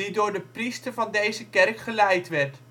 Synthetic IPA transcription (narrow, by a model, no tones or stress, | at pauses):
idʊːɹdəpristəɹvɑndejzəkɛrkχəlɛjtʋɛrt